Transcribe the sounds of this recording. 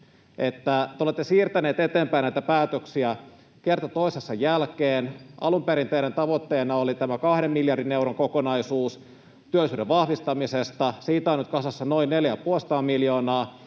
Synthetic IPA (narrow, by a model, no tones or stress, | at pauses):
ʔet̪ːæt̪eolet̪ːesiːrt̪æneːt̪et̪eːmpæinæit̪æpæːt̪øksiæ | kert̪ot̪oisesːɑjælkeːnʔɑ̰lumpeɾint̪eiɾent̪ɑʋot̪ːeːnɑolit̪æmækɑhɾemːiljɑrdineuroŋkokonɑisuːs | t̪yølˑisyːɾeʋʋɑhʋist̪ɑmisest̪ɑsiːt̪æonyt̪̚kɑsɑsːɑnoinneljæpuolsɑ̥t̪ɑːmiljoːnɑː